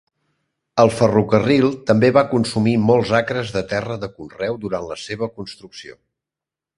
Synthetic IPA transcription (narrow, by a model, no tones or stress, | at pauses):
əlˠfərukərilˠt̪əmbeβakunsumimolˠzakɾəzðət̪ɛrəðəkunrɛwd̪uɾanləseβ̞əkunst̪ɾuksio̰